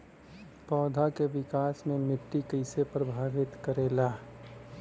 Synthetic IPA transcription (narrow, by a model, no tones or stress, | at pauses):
pɔːd̪ʱakeʋɪkaːsmẽmɪʈːikəɪsepɾɐbʱaːʋɪt̪kəɾeːlaː